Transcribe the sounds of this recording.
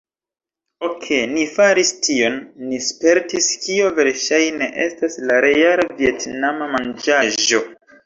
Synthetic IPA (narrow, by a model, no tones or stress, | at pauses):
okʰe̞nifaɾistio̞nːispe̞ɾtiskio̞ve̞ɾʃajne̞ʔe̞staslaɾe̞jalavie̞tnamamand͡ʒaʒo̞